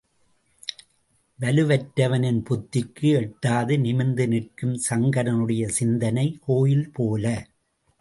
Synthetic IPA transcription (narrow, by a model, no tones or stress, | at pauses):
ʋɐlɯʋɐʈːɐʋɐnɪnpʊt̪ːɪkːɯɛʈːaːðɯnɪmɪnd̪ɯnɪʈkɯmsɐŋɡɐɾɐnɯɽɐjɐsɪnd̪ɐnɐɪkoːjɪlpoːlɐ